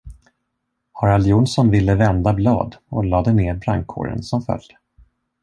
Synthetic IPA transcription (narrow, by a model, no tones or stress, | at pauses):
hɑɾaljunsɔnvɪlːəvɛnd̪ablɑ̰ːd̪ɔlɑːd̪əneːɾbɾaŋkʰːo̰ːɾə̰nsɔmfœ̰ld̪ə